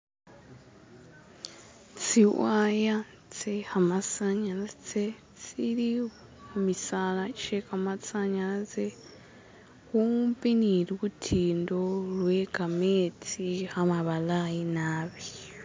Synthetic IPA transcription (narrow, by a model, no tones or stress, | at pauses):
t͡siwaja | t͡sehamasaɲalat͡se | t͡siɾi | mumisalat͡ʃekamat͡saɲalat͡se | kumpiniɾwutʰindoɺwekamet͡sihamaβalajinaːβi